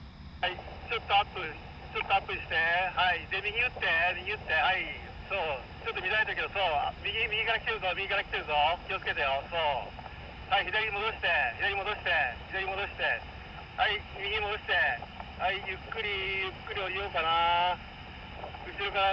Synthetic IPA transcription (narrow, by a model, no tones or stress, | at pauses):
hai | t͡ɕo̞t̪ːo̞apːɯ̟ | t͡ɕo̞t̪ːoapːɯ̟ɕi̥t̪e̞haid̪e̞mʲiɡʲiɯ̟t̪ːe̞mʲiɲ̟iɯ̟t̪ːe̞ai | so̞ː | t͡ɕot̪ːomʲid̪aet̪eɯke̞d̪oso̞ːmʲiɡʲimʲiɡʲikaɾakʲi̥t̪eɾɯzomʲiɡʲikaɾaki̥t̪e̞ɾɯ̟zo̞kʲio̞t͡sɨ̥ke̞t̪ajo̞so̞ː | haiçid̪aɾʲiimo̞d̪o̞ɕi̥t̪e̞çid̪aɾʲimo̞d̪o̞ɕi̥t̪e̞çid̪aɾʲimo̞d̪o̞ɕi̥t̪e̞ | haimʲiɡʲimod̪o̞ɕi̥t̪e̞aijɯ̟kːɯ̟ɾʲijɯ̟kːɯ̟ɾʲio̞ɾʲio̞ːkana | ɯ̟ɕiɾokana